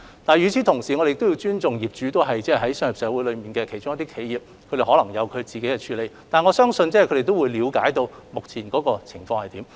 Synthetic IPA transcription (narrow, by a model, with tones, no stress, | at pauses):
t̪aː˨˩jyː˨˧t͡sʰiː˨˥t̪ʰʊ˨˩ŋsiː˨ŋɔ˨˧e˨ɪ˨kt̪ji˧wt͡ʃyː˥nt͡sʊ˨ŋjiː˨˩p̚t͡ʃyː˨˥t̪o˥wɦɐ˨jt͡sɛː˥˩ɦɐ˨˥jsœː˥ŋji˨˩psɛː˨˥wuː˨˥jlɵ˨˧miː˨nkɛː˧kʰe˨˩t͡ʃʊ˥ŋɐ˥t̪iː˥kʰe˨˧˥jjiː˨p̚kʰɵ˨˧ɾe˨˩hɔː˨˥lɐ˨˩ŋjɐ˨˧wkʰɵ˨˧ɥt͡siː˨ke˨˥jkɛ˧t͡ʃʰyː˨˧le˨˧jt̪aː˨nŋɔː˨˧sœː˥ŋsɵ˧nt͡sɛː˥˨kʰɵ˨˧de˨jt̪o˥wuː˨˧jliː˨˧wkaː˨˥jt̪o˧wmʊ˨k̚t͡sʰiː˨˩nkɔː˨˥kɔː˧t͡sʰɪ˨˩ŋfɔː˧ŋhɐ˨jt̪iː˨˥m